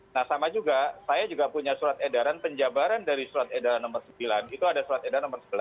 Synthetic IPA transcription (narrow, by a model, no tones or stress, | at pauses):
nahsamad͡ʒuɡasajad͡ʒuɡapuɲasuɾat̪edaɾanpəɲd͡ʒabaɾandaɾisuɾat̪edaɾanːɔmərsəmbilanit̪uadasuɾat̪edaɾanɔmərsəbəla